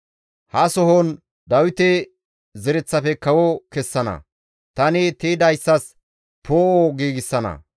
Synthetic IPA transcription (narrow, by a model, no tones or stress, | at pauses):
hɐsɔɦɔn | d̪ɐwɪt̪ɛ | zɛɾɛt͡sːɐfɛkɐwɔkɛsːɐnɐ̰ | t̪ɐnɪt̪ed̪ɐjsːɐs | pʰoːʔɔɡiːɡɪsːɐnɐ̰